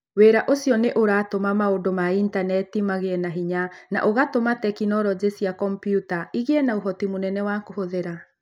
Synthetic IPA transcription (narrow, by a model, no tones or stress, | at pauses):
weːɾaʔosiɔneʔoɾatomamaodomaintanɛtimaɣeɛnaɦiɲana̰ʔoɣatomatɛkinɔɾɔd͡ʑesiakɔmpijutaiɣeɛnauɦɔtimonɛnɛwakohoðeɾa